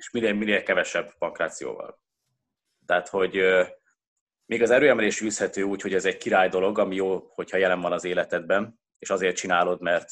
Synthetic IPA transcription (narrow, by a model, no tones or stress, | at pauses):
eʃmineːmineːlkɛvɛʃɛbpɒŋkraːt̪sijo̰ːvɒ̰l | t̪ɛat̪ho̞ɟ | meːɡɒzɛɾøːɛmɛleːʃyːshɛt̪øːuːcho̞ɟɛzɛɟ̚kiɾaːjd̪o̞lo̞ɡɒmijoːho̞chɒjɛlɛɱvɒnɒzeːlɛt̪ɛd̪̚bɛn | eːʃɒzeːrt̪̚t͡ʃinaːlo̞d̪mɛrt̪